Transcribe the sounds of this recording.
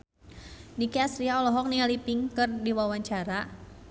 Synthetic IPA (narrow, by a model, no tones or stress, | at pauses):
nikiasɾiaɔlɔɦɔk̚nialipiŋkɨrdiwawaɲt͡ʃaɾa